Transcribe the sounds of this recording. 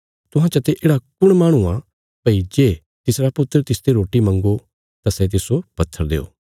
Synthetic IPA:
t̪ʊɦãt͡ʃɐt̪eʔeːɽakʊɽ̃maːɽ̃ua | pɐid͡ʒeː | t̪ɪsɾapʊt̪ːəɾət̪ɪsd̪eɾoːʈimɐ̃ŋɡo | t̪asɛt̪̬ɪsopɐt̪ʰːəɾd̪ḛːo̰ː

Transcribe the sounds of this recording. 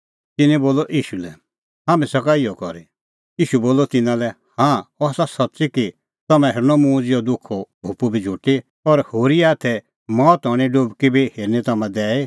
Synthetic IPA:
t̪ɪnɛ̃boːlɔʔiːʃulɛ | ɦaːmɛ̃sɐkaiɔkɔɾe | iːʃuboːlɔt̪ɪnãlɛ | hãːɔsasɐtːsiki | t̪ɐmɛ̃ɦeɾnɔmũːd͡zjɔd̪ʊkʰːɔbʱupubʱid͡ʒʱuʈi | ɔɾhoːɾiaːt̪ʰɛ | mɔːt̪ɔɽ̃iɖobkibʱiheːɾnit̪ɐmɛ̃d̪ɛːe

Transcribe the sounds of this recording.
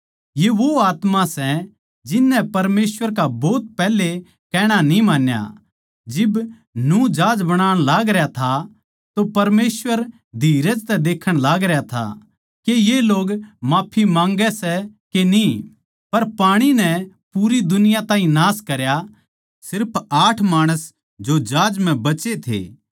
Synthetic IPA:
jeʋoaːt̪mãsɛ | d͡ʒɪnːɛpɐɾmeːsʋəɾk̬abɔːt̪̚pɛːle | kɛːɽ̃anĩmaːnja̰ | d͡ʒɪb | nũd͡ʒaːd͡ʒbɐɽ̃aːɽ̃laːɡɾjat̪ʰa | t̪opɐɾmeːsʋəɾ | d̪ʱiːɾəd͡ʒt̪ɛd̪eːkʰəɽ̃laːɡɾɛjat̪ʰa̰ | kejeloːɡmaːpʰimãːŋɡɛsɛkeni | pɐɾpaːɽ̃inɛ | puːɾid̪ʊnɪjat̪aːɦĩnaːskɐɾja | sɪɾpʰaːʈʰmaːɽ̃əs | d͡ʒod͡ʒaːd͡ʒm̤ɛ̃bɐt͡ʃet̪ʰḛː

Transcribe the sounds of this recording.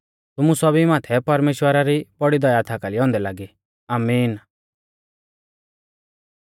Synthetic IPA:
t̪ʊmusɔbimaːt̪ʰɛpɐɾmeːʃwəɾaɾibɔɽid̪ɔjat̪ʰakaliɔ̃ːnd̪ɛlaːɡi | aːmiːn

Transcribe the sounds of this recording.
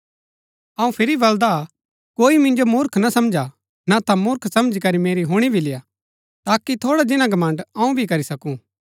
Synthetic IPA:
ɐũpʰɪɾibɐld̪a | koːimɪ̃nd͡ʒomʊɾkʰnɐsɐ̃md͡ʒa | nat̪ãmʊɾkʰsɐmd͡ʒikɐɾimeːɾiɦʊɽ̃ibʱilɪja | t̪aːkit̪ʰoːɽad͡ʒɪnãɡɐmãːɳɖɐũbʱikɐɾisɐkũ

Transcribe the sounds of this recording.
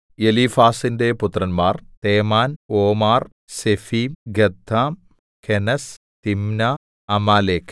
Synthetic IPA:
jelifaːsinde̞put̪ːrɐnmaːrt̪eːmaːnoːmaːr | sefimɡed̪ʱːaːm | kʰenɐs | t̪imnɐ | ɐmaːleːkʰ

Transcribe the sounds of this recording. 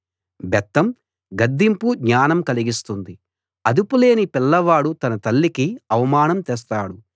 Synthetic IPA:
bɛt̪ːɐm | ɡɐd̪ːimpuɡɲaːnɐmkɐliɡist̪und̪i | ɐd̪upule̞ːnipilːɐʋaːɽut̪ɐnɐt̪ɐlːikiɐʋɐmaːnɐmt̪ɛːs̬t̪aːɽu

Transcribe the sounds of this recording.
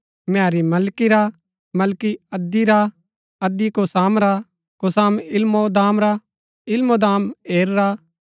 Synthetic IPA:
maːɾimɐlkiɾa | mɐlkiɐd̪ːiɾa | ɐd̪ikosaːmɾa | kosaːmɪlmod̪aːmɾa | ɪlmod̪aːmeːɾɾa

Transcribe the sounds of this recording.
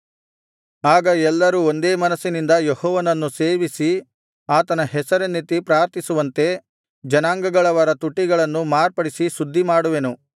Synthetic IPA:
aːɡɐɛlːɐɾuo̞nd̪e̞ːmɐnɐsːinind̪ɐjehɔːʋɐnɐnːuse̞ːʋisi | aːt̪ɐnɐɦɛsɐɾenːit̪ipɾaːɾt̪ʰisuʋɐnt̪e̞ | d͡ʒɐnaːŋɡɐɡɐɭɐʋɐɾɐt̪uʈːiɡɐɭɐnːumaːɾpɐɽisisud̪ʱːimaːɽuʋenu

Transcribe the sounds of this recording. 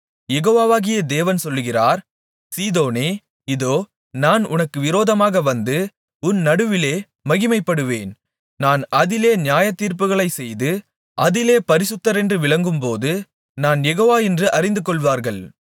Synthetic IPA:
jɛɣoːʋaːʋaːɣɪjɐd̪eːʋɐnsɔlːɯɣɪraːɾ | siːðoːneː | ɪðoː | naːnʊnɐkːɯʋɪɾoːðɐmaːɣɐʋɐnd̪ɯ | ʊnnɐɽɯʋɪleː | mɐɣɪmɐɪpːɐɽɯʋeːn | naːnɐðɪleːnjaːjɐt̪ːiːɾp̬ɯɣɐɭɐɪsɛjðɯ | ʔɐðɪleːpɐɾɪsɯt̪ːɐɾɛndrɯʋɪɭɐŋɡɯmpoːðɯ | naːnjɛɣoːʋaːɛndrɯʔɐɾɪnd̪ɯkɔɭʋaːɾɣɐɭ

